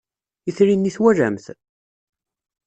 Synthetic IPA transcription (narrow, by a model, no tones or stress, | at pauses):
iθɾinːiθwæɾæ̰mθ